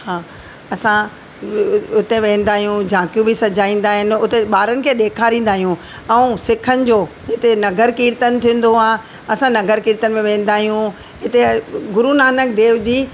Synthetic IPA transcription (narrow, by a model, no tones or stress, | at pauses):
haː | ɐsã | ʊt̪eʋẽːn̆d̪aːɦijũd͡ʑãːkijũbɪsɐd͡ʑaːĩːn̆d̪aːɦɪnɪ̆ʊt̪eɓaːɾənɪ̆kʰeːɗeːkʰaːɾĩːn̆d̪aːɦijũ | ɛ̃ũsɪkʰənɪ̆d͡ʑoː | ɦɪt̪enɐɡəɾkiːɾt̪ənɪ̆t̪ʰĩːə̃n̆d̪oaː | ɐsãnɐɡəɾkiːɾt̪ənɪ̆mẽʋẽːn̆d̪aːɦijũ | ɦɪt̪eɡʊɾunaːnək̚d̪eːʋd͡ʑiː